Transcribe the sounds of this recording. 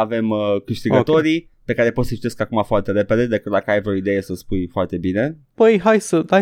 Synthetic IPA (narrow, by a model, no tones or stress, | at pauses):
ave̞mkɨʃt̪iɡət̪o̞ɾi | pe̞kaɾe̞pot̪sət͡ʃi̥t̪e̞skakumafoart̪e̞ɾe̞pe̞d̪e̞d̪e̞kɨt̪̚d̪akəajvɾoid̪e̞je̞səspujfoart̪e̞bine̞ | b̥əjɦajsəd̪a